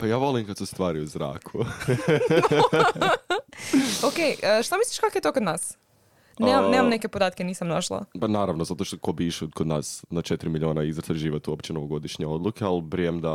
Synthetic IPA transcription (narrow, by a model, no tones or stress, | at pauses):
pajaːʋo̞limkat̪sust̪ʋaːɾiuzɾa̰ːkʰu | okejəʃt̪amislˠi̥ʃkakojet̪okod̪naːs | nemamnemamneke̞pod̪aːt̪̚keniːsamnaʃlˠa̰panaːɾaʋnozat̪oʃt̪okobiʃekod̪naːsnat͡ʃet̪iɾimilʲioːnaizɾt̪aʒiːʋot̪uopt͡ɕenoʋoɡo̞d̪iʃɲeo̞d̪lˠukʰealˠbɾijemd̪a